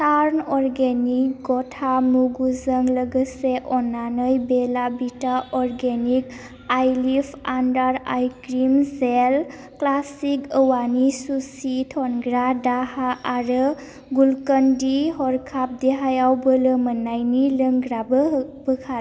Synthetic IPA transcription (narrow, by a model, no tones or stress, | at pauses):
saɾnɔɾɡenikɡɔtʰamuɡuzəŋləɡəseʔɔnanəjbelabitaɔɾɡenik | ajlipʰandaɾajkɾimsel | klasikəwanisusitʰɔnɡɾadahaʔːɾə | ɡulkəndiɦɔɾkʰap̚deɦajawbəlɯmənajniləŋɡɾabəbəkʰa